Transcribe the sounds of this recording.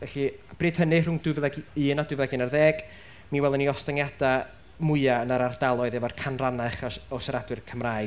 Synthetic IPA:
ɛɬib̥riːd̥hənɪrʊndɨvlˠɛɡinadwɨvlˠɛɡɪnarðɛːɡ̥ | miwɛlˠəniɔstaŋjad̥a | mʊɨaənaɾardalˠɔɨðɛvarkʰanranaχaɔsaɾadwɨrkʰəmraː

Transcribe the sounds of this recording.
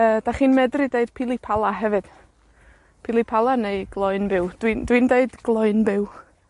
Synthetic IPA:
əːd̥aχiːnmɛdrɪdeɨd̥pʰilˠipʰalˠaɦɛvɨd̥ | pʰilˠipʰalˠaneɨɡ̥lˠɔɨnbɪwd̥windwindeɨdɡ̥lˠɔɨnbɪw

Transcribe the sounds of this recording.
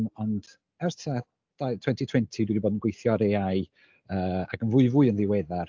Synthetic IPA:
mɔnd | ɛrtʰa | d̥ajtʰwɛntʰitʰwɛntʰidwidibodənɡwejθjɔɾeaɨ | əːaɡənvʊːɨvuɨənðɪwɛðar

